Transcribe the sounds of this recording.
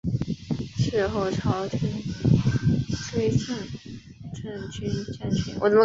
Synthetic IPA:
ʂ̩˥˧xo˥˩ʊʈ͡ʂʰɑ˧˥ʊʈ͡ʂʰə˥ŋ | t͡sʰwe˥ɪt͡sʰə˥˩n | ʈ͡ʂʰə˥nt͡ɕʰy˥nʈ͡ʂa˥˩nt͡ɕʰɛ˧˥nwʔɔ˨˩˥

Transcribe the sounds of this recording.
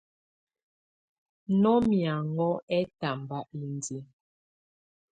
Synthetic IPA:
nɔ˦mja˨ŋɡɔ˦ɛ˦ta˨m˨ba˦ʔli˨n˨di˦

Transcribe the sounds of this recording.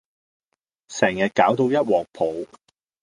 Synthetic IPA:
sɛː˨˩ŋjɐ˨t̚kaː˨˥wt̪o˧wjɐ˥t̚wɔː˨˩k̚pʰo˨˧w

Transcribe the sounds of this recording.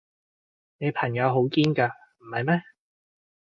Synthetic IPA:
ne˨˧jpʰɐ˨˩ŋjɐ˨˧wɦo˨˥wkiː˥nkaː˧ | m̩˨˩hɐ˨jmɛ˥

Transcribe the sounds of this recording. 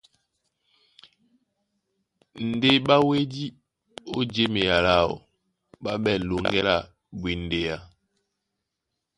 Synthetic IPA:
n̩˨de˦ɓa˦we˦di˦ | o˦d͡ʒe˦me˨ja˨la˦˨o̰˨ | ba˦ɓɛ˦˨lo˨ŋɡɛ˦la˦˨ | bi˨n˨de˨ja˨

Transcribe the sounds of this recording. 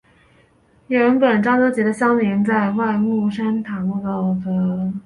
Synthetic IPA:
ɥɛ˧˥npə˨˩nʈ͡ʂɑ˥ŋt͡so˥ʊt͡ɕjɛ˧˥d̪ə˧ɕjɑ˥ŋni˧˥nt͡sa˥˧ɪwa˥˧ɪmu˥˩ʂa˥nt̪ʰa˧˥mu˥˩k̪ɑ˥˩ʊtə˧˥

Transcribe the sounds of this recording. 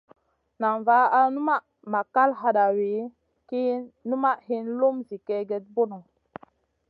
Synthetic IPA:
na˨ɱva˦a˦nu˦ma˦ | ma˨ka˦lɦa˨ɗa˨we˨˦ | ki˦nu˦ma˦ʔhi˦nlo˦mzi˨kɛ˦ɡe˦t̚bo˦no˨

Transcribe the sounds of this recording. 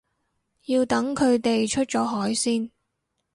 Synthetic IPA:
jiː˧wt̪ɐ˨˥ŋkʰɵ˨˧ɥt̪e˨jt͡ʃʰɵ˥t̚t͡ʃɔː˨˥ɦɔː˨˥jsiː˥n

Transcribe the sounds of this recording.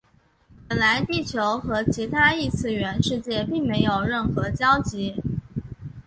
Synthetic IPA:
pə˨˩nla˧˥ɪt̪i˥˩t͡ɕʰjo˧˥ʊxɤ˧˥t͡ɕʰi˧˥t̪ʰa˥i˥˧t͡sʰɹ̩˥˩ɥɛ˧˥nʂɻ̩˥˧t͡ɕjɛ˥˧pi˥˩ŋme˧˥ɪjo˨˩ʊɻə˥˩nxɤ˧˥t͡ɕjɑ˥ʊt͡ɕi˧˥

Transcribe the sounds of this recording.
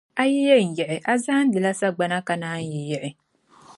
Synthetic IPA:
a˦jɛ˦jɛ˦n̩˨jɛ˨ʔɪ˨ʔa˦za˦n̩˦dɨ˨la˦sa˦ɡ͡ba˦na˦ka˨naː˦n̩˦jɛ˨jɛ˨ʔɪ˨

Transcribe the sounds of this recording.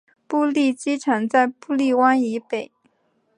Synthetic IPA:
pu˥˧li˥˩t͡ɕi˥ʈ͡ʂʰə˧˥ŋt͡sa˥˧ɪpu˥˧li˥˩wa˥ni˧˥pe˨˩˦ɪ

